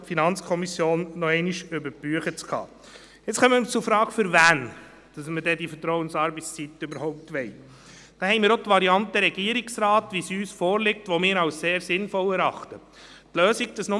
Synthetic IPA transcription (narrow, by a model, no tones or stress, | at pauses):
tfinɑnt͡skʰɔmisjoːnːɔɛɪniʃʏbəɾbyəχət͡skʰɑ̰ː | ɪt͡sχœmət͡sʊfɾɑːɡfʏɾvæːn | d̥ɑsmədɛdifətɾɔwənsɑːɾbɛɪt͡st͡sit̪øbəɾhɔʊp̚t̪ʋɛɪ | d̥ɑhɛɪmiːɾot̪ʋɑɾiɑntəɾɛɡiəɾiksɾɑːtʋisyːsfɔːɾlɪk̚tʋɔmɪːɾɑwsseːɾsɪnfɔlɛɾɑχtə | tløːsikd̥əsnʊ